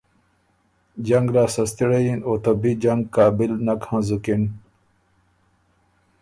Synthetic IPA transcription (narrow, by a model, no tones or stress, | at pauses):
d͡ʑɐŋɡlaːsɐst̪iɽɐjinoːt̪ɐbid͡ʑaŋɡkːaːbilnɐkhãzukin